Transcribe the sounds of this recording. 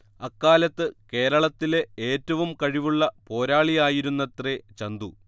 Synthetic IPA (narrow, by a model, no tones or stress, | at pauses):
ɐkːaːlɐt̪ːɨke̞ːɾɐɭɐt̪ːile̞eːtːɐʋumkɐɻiʋuɭːɐpo̞ːɾaːɭijaːjiɾunːɐt̪ret͡ɕɐnd̪u